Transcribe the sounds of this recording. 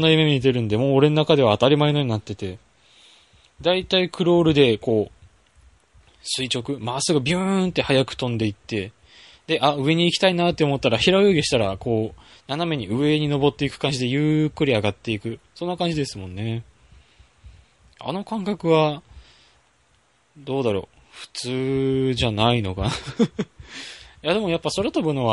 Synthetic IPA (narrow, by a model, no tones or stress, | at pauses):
nːajɯmemʲit̪e̞ɾɯ̟nd̪e̞mo̞ːɾe̞nonakad̪e̞βaːt̪aɾʲimaeno̞ɲ̟inat̪ːe̞t̪e̞ | d̪ait̪aikʰɯ̟ɾo̞ːɾɯ̟d̪e̞ko̞ː | sɨit͡ɕo̞kɯ̟masɨɡo̞bʲɯ̃nt̪ːe̞hajakɯ̟̥t̪õ̞nd̪e̞it̪ːe̞ | d̪e̞ʔaɯ̟e̞ɲ̟iːkʲi̥t̪ainat̪ːe̞omo̞t̪ːaɾaçiɾaojoːɡʲeɕi̥t̪aɾako̞ː | naname̞ɲ̟iɯ̟e̞ɲ̟ino̞bo̞t̪ːe̞ikɯ̟̥kãɲ̟d͡ʑid̪e̞jɯ̟ːkːɯ̟ɾʲiaɡat̪ːe̞ikɯ̟sõ̞nːakãɲ̟d͡ʑid̪e̞sɨmõ̞nːe̞ | a̰no̞kãŋkakɯ̟βa | d̪o̞ːd̪aɾo̞̰ | ɸɯ̟̥t͡sɨːʑanaino̞kana | jad̪e̞mo̞japːaso̞ɾat̪obɯ̟noβa